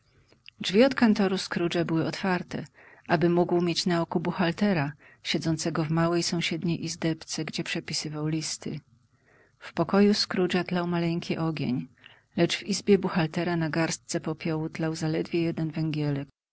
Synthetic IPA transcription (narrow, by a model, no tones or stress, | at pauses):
d͡ʐvʲiɔt̪kant̪ɔɾuskɾud͡ʐabɘwɘɔt̪faɾt̪ɛ̰ | ʔabɘmuɡwmʲjet͡ɕnaɔkubuxalt̪ɛɾa | ɕɛd̪zɔnt̪sɛɡɔvmawɛjsɔ̃w̃ɕɛd̪ɲejʔizd̪ɛpt̪sɛɡd͡ʑɛpʂɛpʲisɘvawlʲist̪ɘ̰ | fpɔkɔjuskɾud͡ʐat̪lawmalɛŋkʲiʔɔɡʲḛɲ | lɛt͡ʂvizbʲjɛbuxalt̪ɛɾanaɡaɾst̪̚sɛpɔpʲjɔwut̪lawzalɛd̪vʲjɛjɛd̪ɛnvɛŋɡʲjɛlɛk